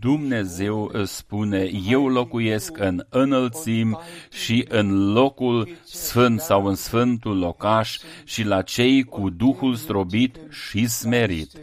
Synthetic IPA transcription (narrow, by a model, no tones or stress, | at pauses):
d̪umne̞ze̞wəspune̞je̞wlo̞kujeskɨnɨnəlt̪simʃiʔɨnlo̞kulsfɨnt̪sawɨnsfɨnt̪ullo̞kaʃʃilat͡ʃe̞jkud̪uxulst̪ɾobit̪ʃisme̞ɾḭt̪